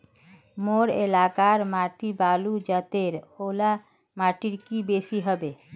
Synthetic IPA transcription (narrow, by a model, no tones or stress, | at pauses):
moɾḛlakaɾmaːʈibaːlud͡ʒət̪eɾola | maʈiɾkibesiɦəbe